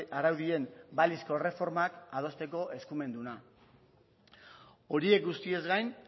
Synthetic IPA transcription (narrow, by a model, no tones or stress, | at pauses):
aɾawðie̞mbalisko̞re̞fo̞ɾmakað̞o̞st̪e̞ko̞ʔe̞skume̞nd̪una | o̞ɾie̞k̚ɡust̪ie̞zɡajn